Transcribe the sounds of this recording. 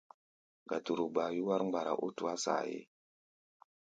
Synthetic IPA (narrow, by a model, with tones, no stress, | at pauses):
ɡa˨tu˨ɾu˨ɡ͡ba˨ju˦wa˦ɾŋ͡mɡ͡ba˨ɾa̰˨ʔu˦tu˨a˦sa̰˨jḛ˦